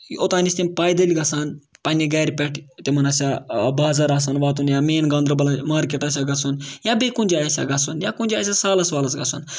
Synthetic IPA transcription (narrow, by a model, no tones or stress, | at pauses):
ot̪aːnʲisʲt̪ʲimʲpaːjd̪ɐlʲiɡɐsaːn | pɐnʲiɡaːɾʲpʲɛʈʰt̪ʲemɐnɐsʲabaːzɐɾaːs̬aːnʋaːt̪unjaːmeːnɡɐnd̪ɾɐbɐlamaːɾkʲeʈɐs̬ʲaɡɐt͡sunjabekunʲd͡ʒʲaːjɐsʲa̰ɡɐsunjakunʲd͡ʒʲaːs̬ʲasaːlɐsʋaːlɐsɡɐsun